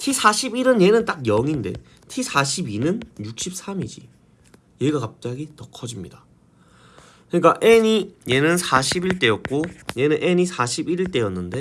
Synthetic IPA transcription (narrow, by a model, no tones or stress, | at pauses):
tʰisʰaɕʰibiɾɯnje̞nɯnt͈ak̚jʌŋinde̞̰ | tʰisʰaɕʰibinɯnjuk̚ɕ͈ʰip̚s͈amid͡ʑḭ | je̞ɡakap̚t͡ɕ͈aɡitʌkʰʌd͡ʑimɲida | kɯɲik͈aʔe̞ɲije̞nɯnsʰaɕʰibiɭt͈e̞jʌt̚k͈oje̞nɯnʔe̞ɲisʰaɕʰibiɾiɭt͈e̞jʌnːɯnde̞